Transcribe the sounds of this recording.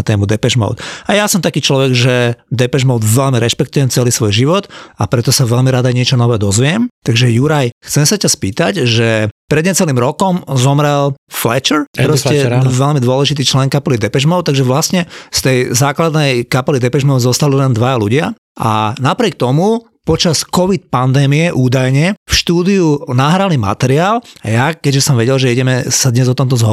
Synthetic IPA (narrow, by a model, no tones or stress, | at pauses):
at̪ɛːmud̪ɛpɛʒmɔ̰ʊt̪ajasɔmt̪akiːt͡ʃlɔʋɛɡʒɛd̪ɛpɛʒmɔʊd̪ʋɛlmiɾɛʃpɛkt̪ujɛmt͡sɛliːsʋɔjʒiʋɔt̪apɾɛt̪ɔsaʋɛlmiɾad̪aɲɪɛt͡ʃɔnɔʋɛːd̪ɔzʋɪɛmt̪aɡʒɛjuɾajxt͡sɛmsacaspiːt̪aɟʒɛpɾɛd̪ɲɛt͡sɛliːmɾɔkɔmzɔmɾɛlflɛt͡ʃɛɾpɾɔsɛʋɛlmid̪ʊɔlɛʒit̪iːt͡ʃlɛŋkapɛlid̪ɛpɛʒmɔʊt̪aɡʒɛʋlasɲɛst̪ɛjzaːklad̪nɛjkapɛlid̪ɛpɛʒmɔʊzɔst̪alilɛnd̪ʋajaluɟɪa | ʔa̰napɾɪɛk̚t̪ɔmu | pɔt͡ʃaskɔʋit̪pand̪ɛːmiɛʔuːd̪ajɲɛfʃt̪uːd̪iunaɦɾalima̰t̪ɛɾiaːla̰jakɛɟʒɛsɔmʋɛɟɛlʒɛiɟɛmɛsad̪ɲɛzɔt̪ɔmt̪ɔzɦɔ